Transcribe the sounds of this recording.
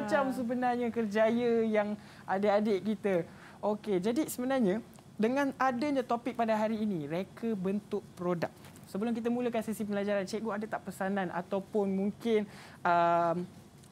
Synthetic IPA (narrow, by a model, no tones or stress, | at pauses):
t͡ʃamsəbənarɲakərd͡ʒajəjaŋ | ʔadəadeʔkit̪ə | oked͡ʒadisəbənarɲã | dəŋãnadəɲãt̪opɪk̚padaɦaɾiːniɾekʰəbənt̪ʊʔ̚pɾoda̰k̚ | səbəlʊmk̬it̪̬əmuləkansisip̬əlad͡ʒaɾant͡ʃɛʔɡoadat̪aʔpəsanãnʔa̰t̪awpʊnmuŋkɪn | əm